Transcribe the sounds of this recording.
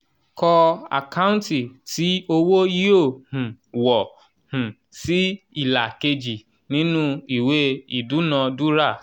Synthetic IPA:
kɔ˧a̰˨ka˦ũ˦nti˨ti˨˦o˧wo˦ji˦o˦˨hũ˨ | wɔ˨ | hũ˨ | si˨˦ | i˦˨la˨ke˧d͡ʒi˨ | nĩ˦nũ˦i˦˨we˦i˨du˨˦nã˧du˦ɾa˦˨

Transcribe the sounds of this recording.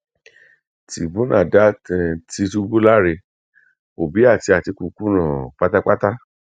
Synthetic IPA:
ti˨bũ˦nã̰˦˨da˦ɛ˨ti˧tu˧bu˦la˦ɾe˧ | o˨bi˨˦a˦˨ti˧a˨ti˧ku˧ku˦nã˦˨k͡pa˦ta˦k͡pa˦ta˦

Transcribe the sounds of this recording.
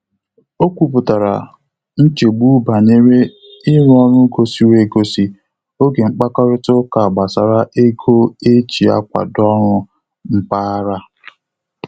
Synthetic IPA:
o˦kʷu˨pʊ˨ta˨ɾa̰˨ | n̩˦t͡ʃe˨ɡ͡bu˦ba˨ɲe˦ɾe˦ | ɪ˦ɾʊ˦ɔ˦ɾʊ˦ɡo˨si˦we˨ɡo˦si˦ | o˦ɡe˨ŋ͡m̩˦k͡pa˦kɔ˦ɾɪ˦tʊ˦ka˨ɡ͡ba˨sa˨ɾa˦ʔe˦ɡʰo˦e˦t͡ʃi˨a̰˦kʷa̰˨dɔ˦ɾʊ˦ | m̩˦pa˦a˦ɾa˦

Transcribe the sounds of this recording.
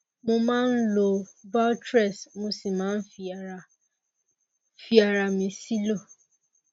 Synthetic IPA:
mo˧mãː˦n̩˦lo˧ba˦tɾɛ˦˨smo˧si˨mãː˨˦n̩˦fi˧˨˧ | fi˦a˧ɾa˧mĩ˧si˦lo˦˨

